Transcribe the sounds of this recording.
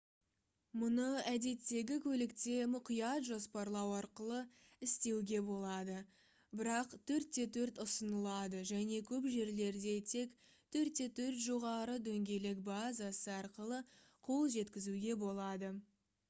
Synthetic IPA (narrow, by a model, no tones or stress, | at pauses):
mʊnəæd̪e̞t̪ːe̞ɡʲɪkʲʰɵlɪkt̪e̞mʊqijɑt̪ʒo̞spɑɾlˠɑwɑɾqəlˠə | ɪst̪e̞wɡʲe̞bo̞lˠɑd̪ə | bɪɾɑqt̪ʰɵɾt̪ːe̞t̪ʰɵɾt̪ʊsənəlˠɑd̪əʒæne̞kʲʰɵpʒe̞ɾle̞ɾd̪e̞t̪ʰe̞k | t̪ʰɵɾt̪ːe̞t̪ʰɵɾt̪ʒo̞ʁɑɾəd̪ɵŋɡʲe̞lekbazasəɑɾqəlˠə | qʰo̞lˠʒe̞t̪kʲɪzuɡʲe̞bo̞lˠɑd̪ə